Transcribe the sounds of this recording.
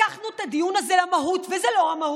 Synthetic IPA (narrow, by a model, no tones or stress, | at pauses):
aχnuet̪ad̪ijunazelamaɦut̪vezelo̞amahu